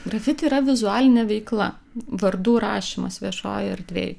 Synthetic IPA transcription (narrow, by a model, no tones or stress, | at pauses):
ɡɾɐfʲɪt̪ʲeiɾɐʋʲɪzʊæːlʲɪnʲɛʋʲɛɪklˠɐ̰ | ʋɐɾd̪uːɾɑːʃʲiːmɐsʋʲiɛʃo̰ːjɐɾʲd̪ʲʋʲḛːjʊ